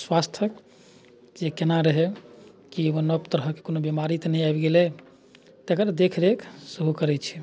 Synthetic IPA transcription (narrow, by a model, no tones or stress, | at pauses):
swast̪ʰək | d͡ʒekenaɾəɦe | kieʋonəbt̪əɾɦəke̥konobjemaɾit̪nɛjajbɡelɛ | t̪ekəɾad̪ekʰɾeksəɦukəɾɛt͡ʃʰi̥